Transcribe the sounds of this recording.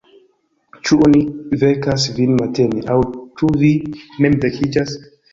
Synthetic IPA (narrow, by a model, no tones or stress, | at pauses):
t͡ʃuonivekasvinmateneʔawt͡ʃuvimemvekʰid͡ʒas